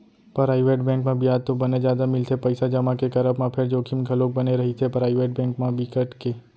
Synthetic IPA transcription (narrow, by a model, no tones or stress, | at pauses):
pəɾaːiʋeʈbɛ̃ŋkmãbijat̪ːobəned͡ʒjaːd̪amɪlt̪ʰepəjsad͡ʒəmãkekəɾəbmãpʰeɾd͡ʒoːkʰimɡʱəlok̚bəneɾəɦit͡ʃʰepɾaːɪʋeʈ̚bɛ̃ːŋkmãbikəʈke